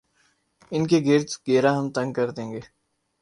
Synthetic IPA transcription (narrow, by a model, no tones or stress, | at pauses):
ɪnkeɡɪɾt̪ɡeːɾãɦɐmt̪ɐ̃ŋɡ̚kɐɾd̪ẽːŋɡeː